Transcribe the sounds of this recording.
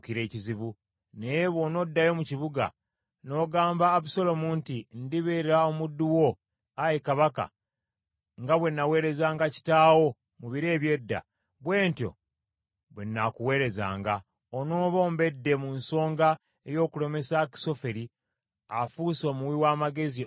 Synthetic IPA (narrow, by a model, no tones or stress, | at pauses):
kiɾe̞ːciziβu | nejeβo̞no̞dːajo̞muciβuɡa̰ | no̞ːɡaːmbaːbuso̞lo̞muːntindiβeɾeɾaomudːuwo̞ | ajekaβaka̰ | ŋɡaβwe̞nːawe̞ːɾe̞zaːŋɡaci̥taːwo̞ | muβiɾe̞ːβje̞dːa̰ | βwe̞ːntjo̞̰ | βwe̞nːakuwe̞ːɾe̞za̰ːŋɡa | ono̞ːβo̞ːmbe̞dːe̞munso̞ːŋɡa | ejo̞ːkule̞me̞saki̥so̞fe̞ɾi | afuso̞ːmuwiwaːmaɡe̞zi